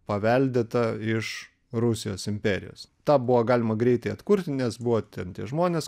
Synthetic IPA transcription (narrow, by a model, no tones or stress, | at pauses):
pɐʋʲɛlʲd̪ʲet̪ɐɪʃ | ɾʊsʲɪjoːsɪmʲpʲɛːɾʲɪjo̰ːst̪ɑːbʊʋoɡɑːlʲɪmɐɡɾʲɛɪt̪ɐɪɐt̪kʊɾʲt̪ʲnʲɛsbʊʋoːt̪ʲɛnt̪ʲiɛʒmoːnʲeːs